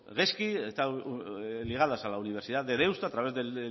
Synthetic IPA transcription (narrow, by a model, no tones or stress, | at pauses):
ɣeskiest̪a | liɣ̞aðasalauniβ̞eɾsiðaðeðewst̪at̪ɾaβe̞zðe